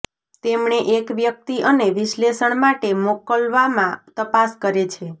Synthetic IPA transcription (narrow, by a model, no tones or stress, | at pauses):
t̪emɳeʔekʋjək̚t̪iʔəneʋiʃlesəɳmaʈemokəlʋamãt̪əpaskəɾet͡ʃʰe